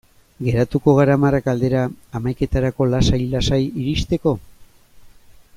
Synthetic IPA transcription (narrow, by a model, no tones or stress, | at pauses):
ɡe̞ɾat̪uko̞ɣ̞aɾamarakald̪e̞ɾaːmajke̞t̪aɾako̞lasajlasajiɾist̪e̞ko̞